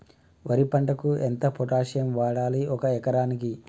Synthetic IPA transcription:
ʋɐɾipɐɳɖɐkuent̪ɐpɔʈaːʂɐjɐmʋaːɽaːliɔkɐɛkɐɾaːniki

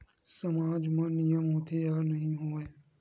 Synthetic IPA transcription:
səmaːd͡ʒmãːnijəmɦõːt̪ʰeaːnəɦĩɦoːeː

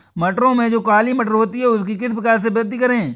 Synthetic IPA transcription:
mɐʈəɾõmẽd͡ʒoːkaːlimɐʈəɾɦoːt̪iɦɛʊskikɪs̬pɾɐkaːɾs̬ebɾəd̪ikɐɾẽː

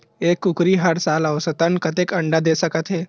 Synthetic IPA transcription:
ekːukɾiːɦaɽsaləʋsət̪ənkət̪ekəɳɖad̪esəkət̪ɦe

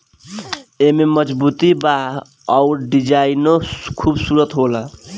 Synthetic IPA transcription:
ememʌd͡ʒbut̪iba | ɔuɾɖid͡ʒainokʰubsuɾət̪ɦola

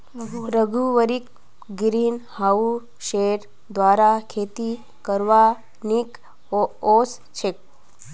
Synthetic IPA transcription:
ɾəɡʱuʋəɾik̚ | ɡɾiːnhau | ʃeɾ | d̪ʋaːɾakʰeːt̪i | kəɾʋa | nik | oos | t͡ʃʰek̚

